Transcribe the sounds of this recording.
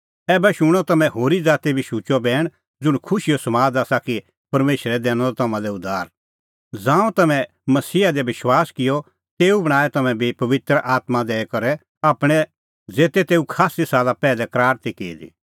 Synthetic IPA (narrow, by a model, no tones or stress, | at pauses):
ɛːbɛʃʊɽ̃ɔt̪ɐmɛ̃ɦoːɾid͡zaːt̪ibʱiʃuːt͡ʃɔbɛːɽ̃ | d͡zʊɽ̃kʰʊʃijɔsɐmaːd͡zaːsaki | pɐɾmeːʃəɾɛd̪ɛːñɔlɔt̪ɐmãlɛʊd̪aːɾ | d͡zãːũt̪ɐmɛ̃ | mɐsiːad̪ɛbʋɪʃwaːskɪjɔ | t̪eːubɐɽ̃aːɛt̪ɐmɛ̃bʱipɐʋɪt̪ɾəʔaːt̪mãd̪ɛːɛkɐɾɛ | aːpɽ̃ɛ | d͡zeːt̪ɛt̪eːukʰaːsisaːlapɛːlɛkɾaːɾt̪ikeːd̪ḭ